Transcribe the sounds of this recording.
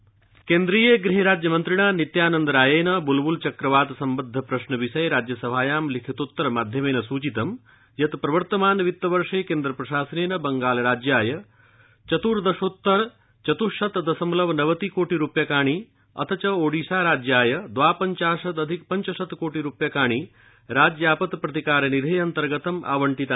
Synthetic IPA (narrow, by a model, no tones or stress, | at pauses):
keːnd̪ɾiːjeɡɾiɦeɾaːd͡ʒjɐmɐnt̪ɾiɽ̃aːnit̪jaːnɐnd̪ɐɾaːjeːnɐbulbult͡ʃɐkɾɐʋaːt̪sɐmbɐd̪ʱːɐpɾɐʃnɐʋiʃɐjɾaːd͡ʒjɐsɐbʱaːjaːmlikʰit̪ut̪ːɐɾmaːd̪ʱjɐmeːnɐsuːt͡ʃit̪ɐm | jɐt̪pɾɐʋɐɾt̪ɐmaːnʋit̪ːɐʋɐɾʂeːkẽːnd̪ɾɐpɾɐʃaːsɐneːnɐbɐŋɡaːlɾaːd͡ʒjaːjɐ | t͡ʃɐt̪uɾd̪ɐʃot̪ːɐɾ | t͡ʃɐt̪uʃɐt̪d̪ɐsɐmlɐʋnɐʋɐt̪ikoːʈiɾupjɐkaːɳ̃iː | ɐ̰t̪ʰɐt͡ʃɐoːɖiːʃaːɾaːd͡ʒjaːjɐd̪ʋaːpɐɲt͡ʃaːʂɐt̪ɐd̪ʱik̚pɐɲt͡ʃɐʃɐt̪koːʈiɾupjɐkaːɳ̃iː | ɾaːd͡ʒjaːpɐt̪pɾɐt̪ikaːɾɐnid̪ʱɐjɐnt̪ɐɾɡɐt̪ɐmʔa̰ːʋɐɳʈit̪a